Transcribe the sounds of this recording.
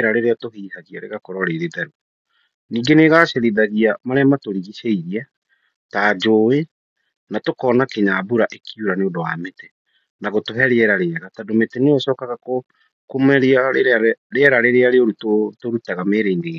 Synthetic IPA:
ɾaɾeɾeatohiːɦaɣia̰ɾḛɣakoɾɔɾeɾeðɛɾu | niːɡeneɣaːʃeɾiðaɣiamaɾeamatoɾiɣiʃeiɾia | taːd͡ʒoːwe | natokɔːnakeɲabuɾaʔekʰiuɾaneodowametɛ | naɣotoɦɛɾeɛɾaɾeɛɣatadometeneɔsɔːkaɣako | komɛɾeaeaɾeɛɾaɾeɾeaɾeoɾutotoɾutaɣameːɾeinde

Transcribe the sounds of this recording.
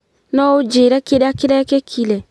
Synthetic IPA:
nɔud͡ʒɪɾɛkidakiɾɛkekʰilɛ

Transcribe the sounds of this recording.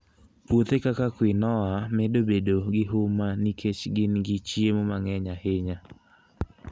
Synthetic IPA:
pwot̪ekakakwɪnɔwamɛdobedoɡɪɦʊmanikʰet͡ʃɡɪnɡɪt͡ʃjemomaŋɛɲaheɲa

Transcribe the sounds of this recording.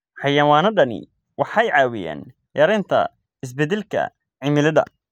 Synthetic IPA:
ħajɐwaːnɐd̪ɐnḭ | wɑħajʕaːwɪja̰n | jɐɾɪnt̪ʰɐ̰ | ɪs̬bɪd̪ɪlkɐ̰ | ʕɪmɪlɐd̪ɐ̰

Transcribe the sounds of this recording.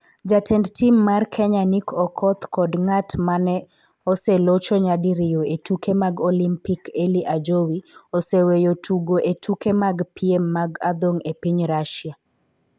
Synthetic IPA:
d͡ʒatʰɛndtʰimːarkʰɛɲanikʰɔkʰɔt̪kɔdŋatmanɛ | oselot͡ʃoɲadiɾɪjoetukemaɡolimpikeliʔad͡ʒowiosewejotʰuɡoʔetʰukemaɡpiemːaɡad̪oŋepiɲɾaʃja

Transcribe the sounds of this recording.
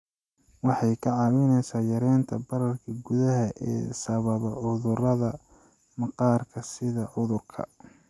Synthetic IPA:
wɑħɑjkʰɐʕɑːwɪnɛjsaːjɐɾɛːnt̪ʰɐbɐɾɐrkʰɐɡʊðɐɦɐʔɛːsɐβɐβɐʕʊðʊrɐðɐ | mɑqɑːrkʰɐsɪðɐʕʊðʊrkʰɐ̰

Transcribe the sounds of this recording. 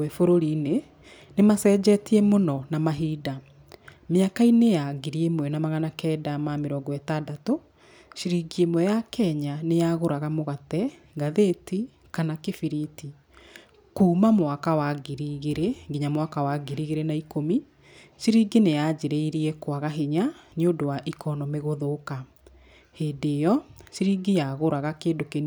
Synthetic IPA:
ɛfoɾoɾine | nemasɛːd͡ʑɛtiɛmonɔnamaɦiːda | meakainejaɡiɾiemwɛnamaɣanakɛːdamameɾɔːɡɔɛtadato | ʃiɾiɡiemwɔjakɛɲanejaɣoɾaɣamoɣatɛ | ɡaðeti | kanakefiɾiti | kuːmamwakawaɡiɾiɣeɾeɡiɲamwakawaɡiɾiɣeɾenaikomi | ʃiɾiɡenejad͡ʑeɾeiɾiɛkwaɣaɦeɲanodowaʔikʰɔnɔmeɣoðoka | heːdejɔʃiɾiːɡijaɣoɾaɣakeːdoken

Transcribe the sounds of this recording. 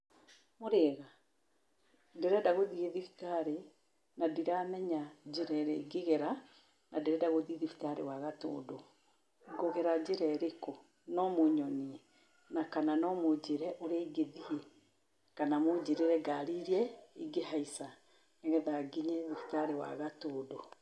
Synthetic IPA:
moɾɛɣa | ndeɾɛdaɣoðieðifi̥taɾe | nadiɾaːmɛɲad͡ʑeɾɛɾḛɡeɣɛɾa | nadeɾɛdaɣoðieðifi̥taɾḛwaɣato̰ːdo | ɡoɣɛɾad͡ʑeɾɛɾekɔ | nɔmoɲɔniɛ | nakananɔmod͡ʑeɾɛʔoɾɛiɡeðie | kanamod͡ʒeɾeɾɛɡaɾiɾiɛiɡeɦaisa | nɛɣɛðaɡiɲeðifi̥taɾewa̰ɣatoːdo

